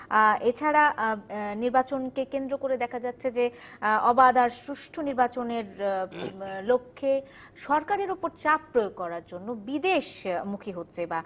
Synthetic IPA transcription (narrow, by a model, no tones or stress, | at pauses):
et͡ɕʰaɾa | niɾbat͡ɕonkekend̪ɾokoɾed̪ɛkʰad͡ʑatːɕʰed͡ʑeɔbad̪aɾsɾuʃʈʰoniɾbat͡ɕoneɾ | lokʰːe | ʃɔɾkaɾeɾopoɾt͡ɕappːɾojoɡ̚kɔɾaɾd͡ʑonːobid̪eʃmukʰiɦotːɕʰeba